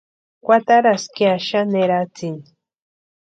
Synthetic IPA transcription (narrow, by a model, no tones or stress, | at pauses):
kʷat̪aɾaskjaʃaneɾat͡sin